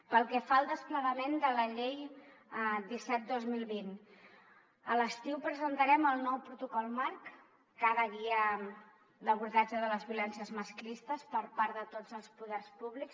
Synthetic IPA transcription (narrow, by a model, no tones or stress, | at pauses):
pəlˠkɛfaəlˠd̪əspləɣəmend̪ələʎej | d̪isɛt̪̚d̪ozmilˠβin | ələst̪iwpɾəzənt̪əɾɛməlˠnɔwpɾut̪ukɔlˠmaɾkː | aðəɣiə | d̪əβuɾðad͡ʒəðələzβiulɛnsiəzməsklist̪əspəɾpaɾðət̪od͡zəlˠspuðɛrspuβliks